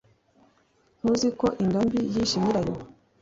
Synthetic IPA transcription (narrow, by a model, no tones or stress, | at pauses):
n̥uziko̞ʔiŋɡambijiʃimiɾajo